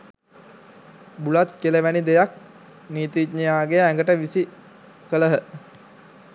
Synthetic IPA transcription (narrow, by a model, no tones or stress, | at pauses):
bulat̪keleʋænid̪ejak̚ | niːt̪iːɲijaːɡejəæŋɡəʈəʋisi | kələɦə